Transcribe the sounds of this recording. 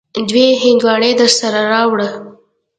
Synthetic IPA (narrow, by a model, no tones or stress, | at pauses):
d̪weɦɪnd̪wɑɳed̪əɾsaɾaɾɑwɽə